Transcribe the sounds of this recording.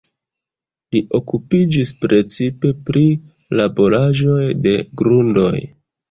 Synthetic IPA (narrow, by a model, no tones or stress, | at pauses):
liʔo̞kupid͡ʒispɾe̞t͡sipe̞pɾi | labo̞ɾaʒo̞jde̞ɡɾundo̞j